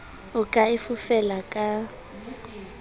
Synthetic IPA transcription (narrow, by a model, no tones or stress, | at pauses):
ʊkʼaɪfʊfɛlakʼa